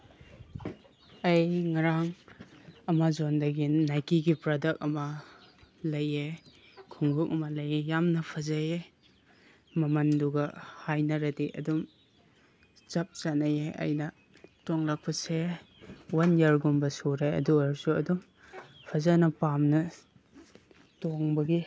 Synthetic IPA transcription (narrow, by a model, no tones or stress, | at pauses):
ɐjŋaɾaŋ | ɐmazondɐɡinajkiɡipɾadɐk̚ɐmɐ | lɐje | kʰuŋbuk̚ɐmɐlɐjejamnɐpʰɐzae | mɐmɐnduɡɐhajnɐɾɐdiʔɐ̰dum | t͡ʃap̚t͡ʃanɐjeʔɐ̰jnɐ | toŋlak̚pɐse | wanjaɾɡumbɐsuɾajɐ̰duaɾsuɐdum | pʰɐzanɐpamnɐ | toŋbɐɡi